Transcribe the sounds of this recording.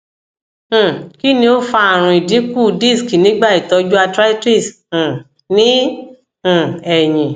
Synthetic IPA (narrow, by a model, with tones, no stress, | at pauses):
ki˦nĩ˧o˦fa˧a˨ɾ̃ũ˧i˨di˨˦ku˦˨di˦˨ski˨nĩ˦ɡ͡ba˦˨i˨tɔ˧d͡ʒu˦a˧tɾa˦ti˦˨s̩˨ | nĩ˦˨ | ɛ˨jĩ˨